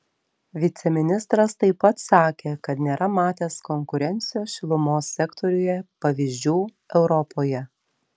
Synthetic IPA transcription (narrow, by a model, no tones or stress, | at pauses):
ʋʲɪt̪sʲɛmʲɪnʲɪst̪ɾɐst̪ɐɪpɐt̪sɑːkʲeːkɐt̪nʲeːɾʔɐmɑːt̪ʲeːskɔŋkʊɾʲɛnʲt̪sʲɪjoːsʃʲɪlˠʊmoːsːʲɛkt̪ʰɔɾʲʊjɛpɐʋʲiːʒʲd͡ʒʲuː | ɛʊɾɔpoːjɛ